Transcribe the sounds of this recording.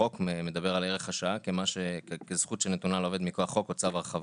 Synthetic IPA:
o̞keme̞d̪abe̞ʁaleʁe̞χaʃaakemaʃekezχut̪ʃenet̪unalove̞d̪miko̞aχːo̞kot͡savaʁeχav

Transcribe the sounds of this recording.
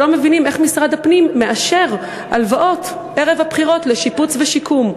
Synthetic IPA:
o̞me̞vinime̞χmisʁad̪apnimːe̞ʔaʃe̞ʁ | ʔalvaʔo̞t̪ | eʁe̞vhapχiʁo̞t̪leʃiput͡sveʃikʰum

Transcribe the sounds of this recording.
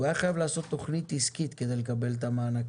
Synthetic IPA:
ajaχajavlaːso̞t̪ːo̞χnit̪iskit̪ke̞d̪ejlekabe̞lt̪̬amaːnak

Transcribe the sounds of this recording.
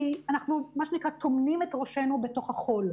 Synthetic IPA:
ianaχnumaʃenikʁat̪omnimetʁoʃenube̞to̞χhaχo̞l

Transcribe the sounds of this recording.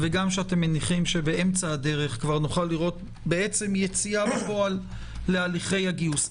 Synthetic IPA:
veɡamʃeatemːeniχimʃe̞bee̞mt͡saːde̞ʁe̞χkvaʁnuχalːiʁo̞t̪̚ | be̞e̞t͡se̞mjet͡siabefo̞alː | e̞aliχe̞jaɡius

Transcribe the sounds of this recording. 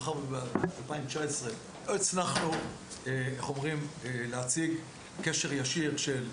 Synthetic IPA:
χaʁbbalpaimt͡ʃaesʁe | et͡sanaχnu | eeχomʁimleat͡siɡ | keʃeʁjaʃiʁʃel

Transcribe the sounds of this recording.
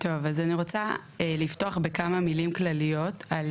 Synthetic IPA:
tʰo̞vazaniʁo̞t͡saelifto̞aχbe̞kamamilimklalijo̞tal

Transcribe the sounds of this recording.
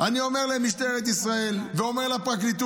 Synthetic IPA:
ɐniomɛlɛmiʃt̪ɛɾɐd̪isʁaɛlvemɛlɐpakɾit̪u

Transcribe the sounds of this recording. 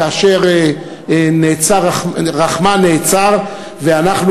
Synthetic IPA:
aʃeʁe | neːt͡saʁaχʁaχmaneːt͡saʁ | veanaχn

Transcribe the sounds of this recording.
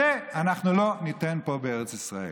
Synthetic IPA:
eanaχnulo̞nitenpo̞beeʁet͡sisʁae

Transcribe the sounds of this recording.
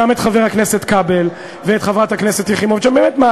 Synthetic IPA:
amet̪χave̞ʁakneset̪kabel | veːt̪χavʁat̪hakneset̪jiχimovʃambeːmet̪ma

